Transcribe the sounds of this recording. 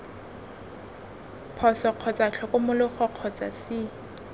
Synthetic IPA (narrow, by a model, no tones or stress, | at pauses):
pʰɔsɔq͡χʰɔt͡sʼat͡ɬʰɔkʊmʊlʊχɔq͡χʰɔt͡sʼa̰sɪ